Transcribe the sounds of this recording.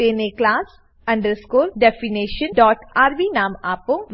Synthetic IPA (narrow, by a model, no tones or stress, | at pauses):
eːneklaːs | ɐ̃ɳɖəɾskuːlɖɛːfineːʃə̃nɖɔːʈaːɾbiːnaːmaːpõːʋ